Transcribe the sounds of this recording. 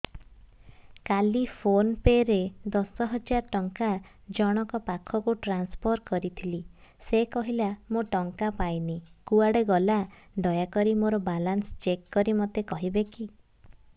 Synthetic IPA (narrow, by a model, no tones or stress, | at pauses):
kalipʰonpeɾed̪ɔsɔɦɔd͡ʒaɾɔʈɔŋkad͡ʒɔɽ̃ɔkɔpakʰɔkuʈɾanspʰɔɾkɔɾit̪ʰilisekɔɦilamoʈɔŋkapajnikuaɽeɡɔla | ɖɔjakɔɾimoɾɔbalanst͡ʃekːɔɾimɔt̪ekɔɦibeki